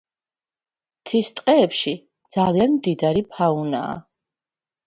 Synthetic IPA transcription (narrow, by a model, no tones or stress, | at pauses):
t̪ʰist̪ʼqʼɛːpʃi | d̪z̥alianmd̪id̪aɾipʰauna̰ː